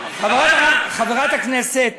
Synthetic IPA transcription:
χaveʁaaχaveʁat̪aknɛset̪̚

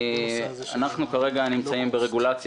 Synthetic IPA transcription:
a̰naχnukaʁe̞ɡanimt͡saimbeʁe̞ɡulat͡s

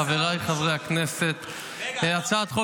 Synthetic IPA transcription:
aveʁajχavʁejhaknese̞t̪ | at͡sat̪χo

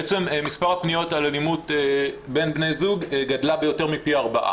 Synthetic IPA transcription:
et͡se̞memispaʁhapnijo̞talalimutbe̞nbne̞jzuɡɡadlabe̞jo̞te̞ʁmipiaʁbaʔa̰

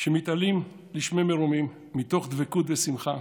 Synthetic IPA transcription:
ʃemit̪alim | liʃmemeɾumimːit̪o̞χd̪vekut̪vesimχa

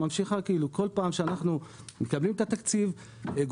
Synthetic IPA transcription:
amʃiχakiiluko̞lpaːmʃeanaχnu | mekablimet̪at̪akt͡siv | ɡ

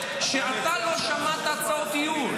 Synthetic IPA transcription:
ʃeat̪aloʃamat̪ataot̪iju

